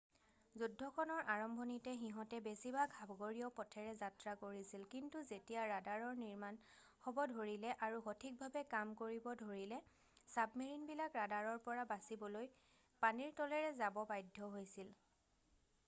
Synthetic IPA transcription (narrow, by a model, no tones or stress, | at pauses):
zudʱːɔkʰɔnɔɹʔaɹɔmbʱɔnitɛxiɦɔtɛbesibaɡʱabɡoɹijɔpɔtʰɛɹɛzatɹakoɹisilkintuzetijaɹadaɹɔɹniɹman | xɔbɔdʱoɹilɛʔaɹuxotʰik̚bʱabɛkamkoɹibɔdʱoɹilɛ | sabmeɹinbilakɹadaɹɔɹpɔɹabasibɔloj | paniɹtɔlɛɹɛzabɔbajdʱːɔɦojsil